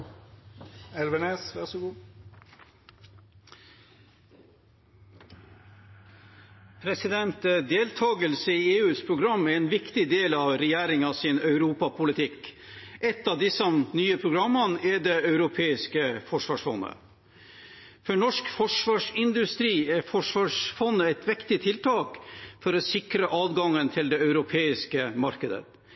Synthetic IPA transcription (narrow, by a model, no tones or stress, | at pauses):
ɛlʋəneːsʋæʁsʊɡuː | pʰɾɛsɪd̪ɛnt̪əd̪eːlt̪ʰɑːɡəlsəiːeːʉːspʰɾʊɡɾɑmːɛɾɛːnʋɪkt̪ɪd̪eːlɑʋɾɛjæːɾɪŋɑsɪnœʉɾuːpɑpʰʊlɪt̪ʰɪk | ʔɛt̪ːɑʋd̪ɪsɔmnyːəpʰɾʊɡɾɑmːənɛɖɛɑʉɾʊpʰeːɪskəfɔʂʋɑːʂfɔ̰nːə̰ | fɔɳɔʂkfɔʂʋɑːʂɪnd̪ʉst̪ɾiːɛɾfɔʂʋɑːʂfɔnːəɛɪt̪ʋɪkt̪ɪt̪ʰɪlt̪ʰɑːkfɔɾɔsɪkɾəʔɑːd̪ɡɑŋːənt̪ʰɪld̪ɛœʉɾʊpʰeːɪskəmɑɾkəd̪ə̰t̪